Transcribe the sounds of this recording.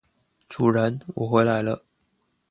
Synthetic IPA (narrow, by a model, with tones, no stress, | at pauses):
ʈ͡ʂu˨˩ɻə˧˥nwɔ˨˩xwe˧˥ɪla˧˥ɪlə˧